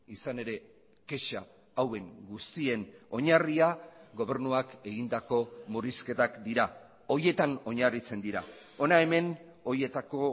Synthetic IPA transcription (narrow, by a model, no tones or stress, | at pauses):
isane̞ɾe̞ | ke̞ʃa | awe̞ŋɡust̪ie̞no̞ɲariaɡo̞β̞e̞ɾnuake̞ɣind̪ako̞muɾiske̞t̪akd̪iɾa | o̞ɾje̞t̪ano̞ɲarit͡se̞nd̪iɾa̰ | o̞nae̞me̞n | o̞ɾje̞t̪ako̞